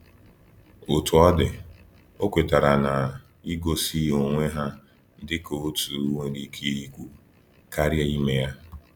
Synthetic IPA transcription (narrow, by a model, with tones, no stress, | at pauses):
o˨tu˨ɔ˦dɪ˨ | o˦kʷe˨ta˨ɾa˨na˨ | i˦ɡo˨si˦o˨ŋʷe˦ɦa˦ | dɪ˦ko˨o˦tu˨˦ŋʷe˨ɾi˦kʰe˦i˦kʷu˦ | ka˦ɾje˦i˦me˦ja˦